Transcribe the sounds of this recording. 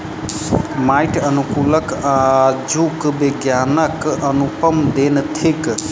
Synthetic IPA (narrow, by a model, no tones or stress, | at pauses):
majʈənukuləkad͡ʒukbiɡjaːnəkənupəmd̪eːnt̪ʰek